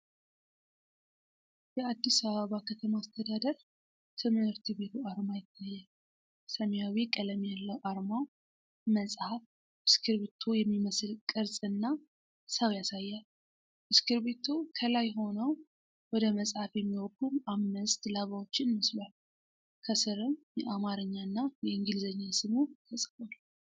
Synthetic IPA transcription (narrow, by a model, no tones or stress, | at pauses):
jəad̪ːisaβəβakʰət̪ʰəmaːst̪ʰəd̪ad̪əɾ | t̪ʰɨmhɨɾt̪ʰibe̞t̪ʰuaɾmajɪt̪ʰːajːal | səmjawikʼələmjalːəwʔaɾmaw | məsʼhaf | mɨskʰɨɾβet̪ʰujɛmːiməslkʼɨɾsʼɨnːa | saβjasajːal | mɨskɨɾbet̪ʰukʰəlajɦo̞nəw | wɔd̪əməsʼhafjɛmːiwɔkʰʼːumamːɨst̪laβawot͡ʃːɪnməslal | kʰəsɨɾɨmjɛʔamaɾɨɲːanːajɛɨŋɡɨlzəɲːasɨmut̪ʰəsʼəwal